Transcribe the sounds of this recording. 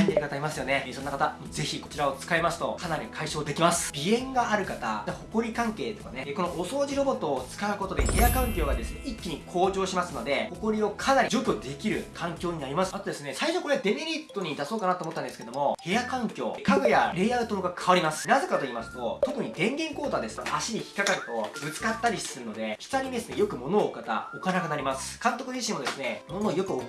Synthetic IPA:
ĩnd̪eɾɯkat̪aimasɨjo̞ne̞sonːakat̪amoze̞çiko̞t͡ɕiɾao̞t͡sɨ̥kaimasɨ̥t̪o̞kanaɾʲikʰaiɕo̞ːd̪e̞kʲimasɨ̥b̥ʲiẽ̞ŋɡaʔaɾɯ̟kat̪a̰t̪ho̞ko̞ɾʲikãŋke̞ːt̪o̞̥kane̞ko̞noʔoso̞ːʑiɾo̞bo̞t̪ːo̞ːt͡sɨ̥kaɯ̟ko̞t̪o̞d̪ehe̞jakãŋkʲo̞ːɡad̪e̞sɨneʔikʲːiɲ̟ikʰo̞ːʑo̞ːɕimasɨno̞d̪e̞ho̞ko̞ɾʲio̞kʰanaɾʲid͡ʑo̞ːkʲo̞d̪e̞kʲiɾɯ̟kʰãŋkʲo̞ːɲ̟inaɾʲimasɨ̥at̪o̞d̪e̞sɨne̞saiɕo̞ko̞ɾe̞ad̪e̞meɾʲit̪ːo̞ɲ̟id̪aso̞ːkanat̪oːmot̪ːand̪esked̪omo̞he̞jakãŋkʲo̞̰ːkʰaɡojaɾe̞ːjaɯ̟t̪ooɡakʰaβaɾʲimasɨ̥naze̞kat̪o̞iːmasɨ̥t̪o̞t̪o̞kɯ̟ɲ̟id̪ẽ̞ŋɡẽ̞ŋko̞ːt̪ad̪e̞sɨ̥nḛʔaɕiɾʲiçi̥kakaɾɯ̟t̪o̞bɯ̟t͡sɨ̥kat̪ːaɾʲiɕi̥sɨɾɯno̞d̪e̞çi̥taɲ̟id̪e̞sɨne̞jo̞kɯ̟mo̞noːkat̪a̰o̞kanakɯ̟naɾʲimasɨ̥kãnt̪o̞kɯ̟ʑiɕĩmo̞d̪e̞sɨne̞mo̞no̞ːjo̞kɯ̟o

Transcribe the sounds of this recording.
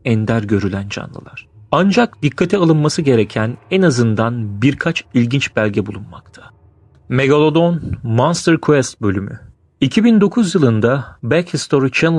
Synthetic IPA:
ɛnd̪æɾɟø̞ɾylʲænd͡ʒa̰nlˠɯ̰lˠaɾ̥and͡ʒakd̪ikʰːat̪ʰialˠɯnmasɯɟe̞ɾecʰænɛnazɯnd̪anbiɾkʰat͡ʃilʲɟint͡ʃbælʲɟɛbulˠunma̰kt̪ʰḁ | me̞ɡalˠod̪onmanst̪ɛɾkʰuɛst̪̚bø̞lʲymy̰ | icʰibind̪o̞kʰuzjɯlˠɯnd̪abɛkist̪ʰo̞ɾit͡ʃʰɛn

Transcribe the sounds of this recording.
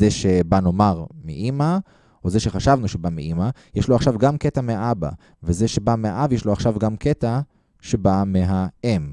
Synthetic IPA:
zeʃe̞bano̞maʁmḭʔima | ʔoze̞ʃe̞χaʃavnuʃebamiʔimajeʃloaχʃavɡamket̪ameaaba̰ | vezeʃe̞bameaʔavjeʃloaχʃavɡamket̪a | ʃe̞bameɦaem

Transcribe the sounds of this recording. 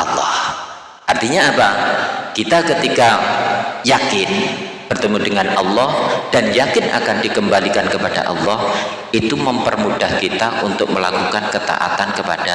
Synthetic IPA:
ʔɑ̰lːɔ̰h | ʔart̪iɲaːpakit̪akət̪ika | jakɪnb̥ərt̪əmudəŋanɑlːɔhd̥anjakɪnʔa̰kandikəmbalikankəpada̰ʔɑ̰lːɔh | it̪uməmpərmudahkit̪aʔunt̪ʊk̚məla̰kukankət̪a̰ʔa̰t̪ankəpa̰d̥a

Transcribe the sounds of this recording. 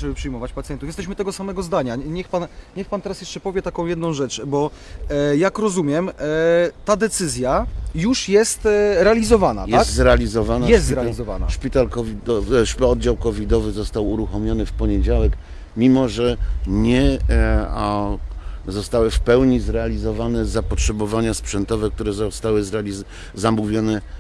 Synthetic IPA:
ɛbɘpʂɨjmɔvat͡ɕpat̪sjɛnt̪ufjɛst̪ɛɕ̬mɘt̪ɛɡɔsamɛɡɔzd̪aɲaɲɛxpanɲɛxpant̪ɛɾasjɛʂt͡ʂɛpɔvʲjɛt̪akɔ̃w̃jɛd̪nɔ̃w̃ʐɛt͡ʂbɔ | jakɾɔzumʲjɛm | t̪ad̪ɛt̪sɘzʲjajuʂjɛst̪ɾɛalʲizɔvana̰tj̪ɛast̪zɾɛalʲizɔvanajɛst̪zɾɛaizɔva̰na̰ʂpʲit̪alkɔvʲid̪ɔʂpɔd̪̚d͡ʑawkɔvʲid̪ɔvɘzɔst̪awuɾuxɔmʲjɔnɘfpɔɲed͡ʑawɛk | mʲimɔʐɛɲɛ | zɔst̪awɘfpɛwɲizɾɛalʲizɔvanɛzapɔtʂɛbɔvaɲaspʂɛnt̪ɔvɛk̚t̪uɾɛzɔst̪awɘzɾalʲi | zamuvʲjɔnɛ

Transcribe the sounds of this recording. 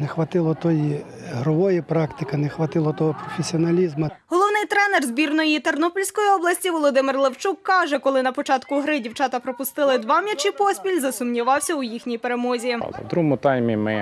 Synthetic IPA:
nexʋɐt̪ɪlˠɔt̪ɔji | ɦɾʊʋɔjipɾɑkt̪ɪkɐnexʋɐt̪ɪlˠɔt̪ɔɦɔpɾɔfʲesʲiɔnɐlʲizmɐɦɔlˠɔwnɪjt̪ɾɛnɛrzbʲirnɔjit̪ernɔpɔlʲsʲkɔjiɔblˠɐsʲtʲiʋɔlˠɔd̪ɪmɪrlˠewt͡ʃukːɑʒɛkɔlˠɪnɐpɔt͡ʃɑt̪kʊɦɾɪdʲiwt͡ʃɑt̪ɐpɾɔpʊst̪ɪlˠɪd̪ʋɑmʲjɐt͡ʃipɔsʲpʲilʲzɐsʊmnʲiʋɑwsʲɐʊjixnʲijpeɾemɔzʲḭd̪ɾumʊt̪ɑjmʲimɪ

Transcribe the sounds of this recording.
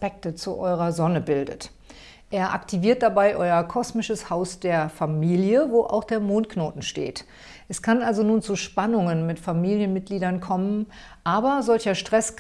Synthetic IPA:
pɛk̚tət͡suʔɔʏʁ̞ɐzɔnəbɪldə̰t | ʔeːɐʔa̰ktʰiviːɐt̚d̥abaɪʔɔʏɐkʰɔsmɪʃəshaʊsd̥eːɐfamiːljəvoːʔa̰ʊxd̥eːɐmoːntknoːtn̩ʃtḛːt | ʔɛskʰanʔalzonuːnt͡suʃpanʊŋənmɪtfamiːljənmɪt̚ɡ̥liːdɐnkʰɔmən | ʔaːbɐzɔlçɐʃtʁ̥ɛs

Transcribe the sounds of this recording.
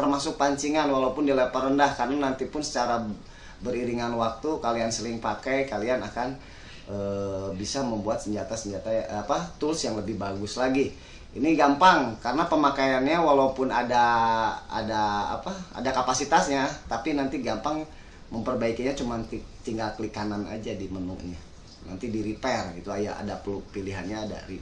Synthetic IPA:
t̪ərmasʊk̚paɲt͡ʃiŋanwalaupʊndilepərəndahkarənanant̪ipʊnsə̥t͡ʃaɾa | bəɾiɾiŋanwak̚t̪ukaliansəlɪŋpakajkalianakan | ʔəbisaməmbuat̪səɲd͡ʒat̪asəɲd͡ʒat̪aapat̪ʊlsjaŋləbɪhbaɡʊslaɡi | iniɡampaŋkarənapəmakajanɲawalaupʊnada | a̰da̰ːpaa̰dakapasit̪asɲat̪apinant̪iɡampaŋ | məmpərbaikiɲat͡ʃumant̪it̪iŋɡalklikanana̰d͡ʒadimənʊŋɲa | na̰nt̪idiɾipɛrɡit̪uajaa̰dapəlupiliɦanɲaːda̰ri

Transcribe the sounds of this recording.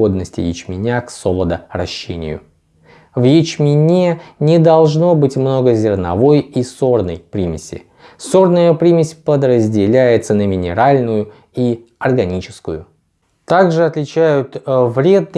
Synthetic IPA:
o̞d̪̚nəsʲtʲɪ̰jɪ̰t͡ɕmʲɪnʲaksolˠəd̪ərɐ̰ɕːenʲɪ̰jʊ̰ | vjɪt͡ɕmʲɪnʲenʲɪd̪ɐlˠʐno̞bɨtʲmno̞ɡəzʲɪrnɐ̰vo̞jiso̞rnəjpɾʲimʲɪsʲɪ̰ | so̞rnəjəpɾʲimʲɪsʲpəd̪rəzʲdʲɪlʲæjɪt̪sənəmʲɪnʲɪɾalʲnʊjʊ | iɐrɡɐnʲit͡ɕɪ̥skʊjʊ | t̪aɡʐɨɐt̪lʲɪt͡ɕæjʊt̪vɾʲe̞d̪̚nɨ

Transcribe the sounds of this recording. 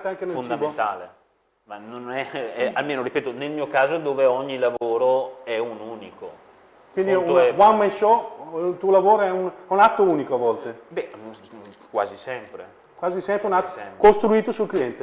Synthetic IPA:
t̪eaŋkenefond̪amt̪aːle | manonɛɛalmeːnoɾipeːt̪onelmiːokaːzod̪oːveɔɲːilavoːɾoɛunuːniko̰ | kwind̪iɛvwammːajʃɔlt̪uːolavoːɾoɛunɛunat̪ːouːnikoavːɔlt̪ebɛ | kwa̰ːzisɛmpɾḛ | kwaːzisɛmpɾeunat̪ːoɛkost̪ɾuiːt̪osulkliɛnt̪e

